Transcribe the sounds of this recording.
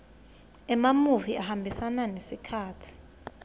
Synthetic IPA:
ɛmamuviʔahambʱisananesikʰaːtʰi̥

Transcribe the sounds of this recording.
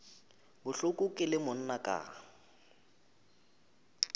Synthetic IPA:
bʊɬʊkʼʊkʼɪlɪmʊn̩nakʼa̰ː

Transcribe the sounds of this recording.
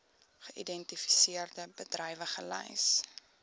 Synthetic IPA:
χəʔidɛntifi̥siərdəbədrɛjvəχəlɛ̰js

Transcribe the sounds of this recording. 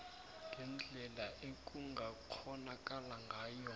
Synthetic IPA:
ŋɡʱɛnd͡ɮʱɛlaʔekʼuŋɡʱak͡xʰɔnakʼalaŋɡʱaːjɔ

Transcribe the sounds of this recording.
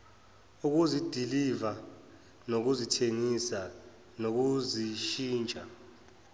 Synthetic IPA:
uk̬uzid̥ʱiliva | nok̬uzitʰeŋisa | nok̬uziʃiːnt͡ʃʼa

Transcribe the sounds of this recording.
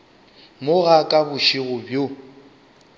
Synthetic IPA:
mʊɣakʼabʊʃiɣʊbjo

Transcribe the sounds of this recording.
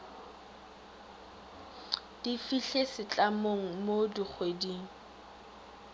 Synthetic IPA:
d̥ifiɬesɪt͡ɬʼamoŋ̩modik͡xʰwediːŋ̩

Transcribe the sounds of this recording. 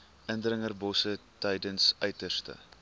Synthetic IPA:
ʔəndrəŋərbɔsətəjdənsœɥtərstə̰

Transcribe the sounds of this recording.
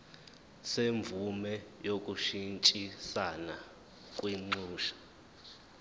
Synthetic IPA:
seɱvumɛjokʼuʃint͡ʃʼisana | kʼwiŋ͡ǃuːʃḁ

